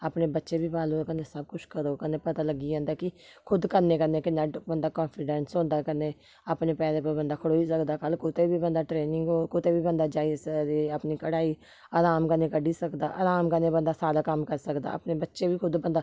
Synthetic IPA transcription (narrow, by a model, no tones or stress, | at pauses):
aːpneːbətːʃeːbʱiːbaːloːkəneːsəb̚kʊt͡ʃʰkəɾoːkəneːpət̪aːləɡiːãːnd̪aːkɪkʰʊd̪kəneːkənːeːkɪnːaːbənd̪aːkɔ̃ːnpʰɪɖɛ̃ːnsɦõːnd̪aːkənːeː | əːpneːpɛːɾeːpobənd̪aːkʰəɽoːisəkd̪aːkəlkʊt̪eːbiːbənd̪aːʈɾeːnɪŋɡoːkʊt̪eːbiːbənd̪aːd͡ʒaːisd̪eəpniːkəɽaːiː | əːɾaːmkəneːkəɖiːsəkd̪a̰ːʔə̰ɾaːmkəneːbənd̪aːsaːd̪aːkəmkəɾsəkd̪a̰ːə̰pneːbətːʃeːbiːkʰʊd̪bə̃nd̪aː